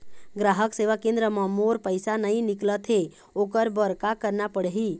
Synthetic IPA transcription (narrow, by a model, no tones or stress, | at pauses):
ɡɾaːɦəkseʋakẽnd̪ɾəmə̃moɾpəɪsanəɦĩnɪklət̪ɦe | oːkəɾbəɾkakəɾnapəɽɦiː